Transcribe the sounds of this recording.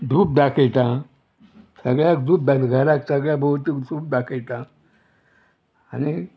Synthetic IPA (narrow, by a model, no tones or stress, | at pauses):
d̪ʱuːp̚d̪akʰejt̪ã | səɡɭjakd̪ʱuːp̚d̪aɡʱəɾaksəɡɭjabʱəwt̪iksuːp̚d̪akʰejt̪ã | añi